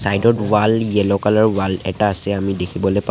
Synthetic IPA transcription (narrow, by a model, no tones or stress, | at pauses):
sajdɔtwaliɛlɔkalaɹwalɛ̰taːsɛamidekʰibɔlojpa